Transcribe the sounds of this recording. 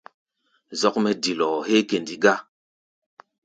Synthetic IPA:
zɔ˦kmɛ˨di˨lɔ˨he˦ke˨ndi˨ɡa˦

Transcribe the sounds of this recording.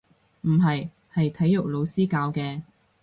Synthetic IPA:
m̩˨˩ɦɐ˨j | hɐ˨jt̪ʰɐ˨˥jːʊ˨˩k̚lo˨˧wsiː˥kaː˧wkɛː˧

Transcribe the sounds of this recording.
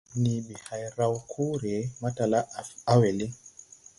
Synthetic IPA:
ni˨bi˨ha˨jɾa˨wkʰu˦ɾɛ˨ma˦ta˨la˦ʔa˦wɛ˨li˦

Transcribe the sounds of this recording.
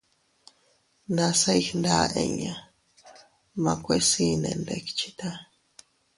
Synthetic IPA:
nã˧sa˦jxnda˦ʔḛ̃˧ɲã˨ | mã˧kʷe˦si˧nḛ̃˨˧nde˧ki̥t͡ʃi̥˦t̪a˦

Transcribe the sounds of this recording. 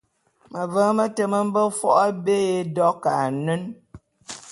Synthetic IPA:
mə˨vəː˨˦mə˦tə˨mə˦m̩˦bə˦fwɔ˦ʔa˦be˦e˦dɔ˦ka˨nə˦n

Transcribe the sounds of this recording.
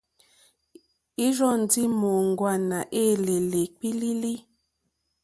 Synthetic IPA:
i˦ʒɔ˦˨n˨di˦mo˨ŋɡwa˦˨na˨ʔe˦˨le˨le˨k͡pi˦li˦li˦

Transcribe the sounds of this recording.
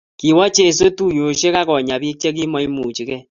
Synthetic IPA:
ki˨wɔ˦t͡ʃe˦˨so˦tu˦jo˨ʃe˦ka˦kɔ˨ɲa˨bi˦k̚t͡ʃe˦k̬i˦mɔ˦i˦mu˨t͡ʃi˨kɛ˦

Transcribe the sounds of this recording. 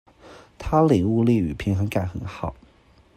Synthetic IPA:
t̪ʰa˥li˨˩u˥˧li˥˩y̰˨˩pʰi˧˥ŋxɤ˧˥ŋka˥˩nxə˨˧˥nxɑ˨˩˦

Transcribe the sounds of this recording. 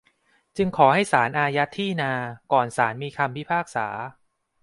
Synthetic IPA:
t͡ɕɯ˧ŋkʰɔː˩˦ɦa˥˩jsaː˩˦nʔaː˧ja˦˥t̪ʰːiː˥˩naː˧kɔː˨˩nsaː˩˦nmiː˧kʰa˧mpi˦˥pʰaː˥˩k̚sa̰ː˩˦

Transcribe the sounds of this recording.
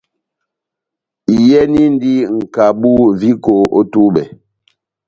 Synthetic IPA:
i˨jɛ˦ni˦n˦di˦ŋ̩˨ka˨bu˦vi˦ko˨ʔo˦tu˦bɛ˨

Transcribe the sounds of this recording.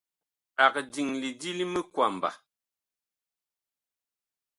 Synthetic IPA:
a˨kdi˨ŋli˨di˦li˦mə˦kwa˨m˨ba̰˨

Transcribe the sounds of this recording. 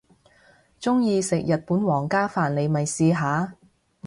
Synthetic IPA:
t͡sʊ˥ŋjiː˧sɪ˨k̚jɐ˨t̚puː˨˥nwɔː˨˩ŋkaː˥faː˨nle˨˧jmɐ˨˩jsiː˧ɦaː˨˥

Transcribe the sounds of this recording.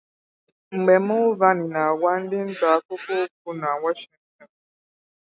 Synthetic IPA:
ŋ͡m̩˨ɡ͡bɛ˨mʊ˦va˦ni˨na˨a˨wa˦n̩˦dɪ˦n̩˦ta˨˦ko˦ko˦k̚u˦na˨wa˦ʃi˦ŋtɔ˨n

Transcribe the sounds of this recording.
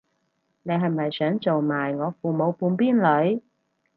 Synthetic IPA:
ne˨˧jɦɐ˨jmːɐ˨jsœː˨˥ŋt͡so˨wmaː˨jŋɔː˨˧fuː˨˩mo˨˧wpuː˧npiː˥nlɵ˨˥ɥ

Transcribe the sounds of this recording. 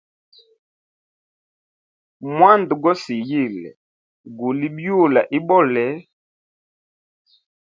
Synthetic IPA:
mwa˦ndu˨ɡɔ˦si˨ji˦˨lɛ̰˨ | ɡu˨li˦bju˦˨la˨ʔi˦bɔ˦˨lɛ˨˦

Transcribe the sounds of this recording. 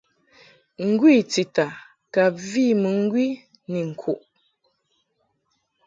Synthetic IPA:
ŋ̩˦ɡwi˦˨t͡si˨ta˨ | ka˨pvi˦˨mɨ˨ŋ̩˦ɡwi˦ | ni˨ŋ̩˨kʰu˨ʔ

